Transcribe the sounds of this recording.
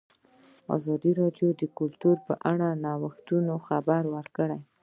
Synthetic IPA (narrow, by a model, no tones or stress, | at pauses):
ɑ̰zɑd̪iɾɑɖjod̪əkʊlt̪uɾpəʔaɽanɑwəxt̪unoxabaɾwəɾkəɽaj